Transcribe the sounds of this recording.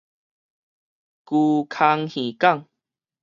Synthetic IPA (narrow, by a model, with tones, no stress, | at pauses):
ku˧kʰa˧ŋhĩ˨˩ka˥˧˨ŋ